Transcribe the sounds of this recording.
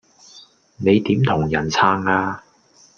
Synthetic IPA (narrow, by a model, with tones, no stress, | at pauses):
ne˨˧jt̪iː˨˥mt̪ʰʊ˨˩ŋjɐ˨˩nt͡sʰaː˧˥ŋaː˧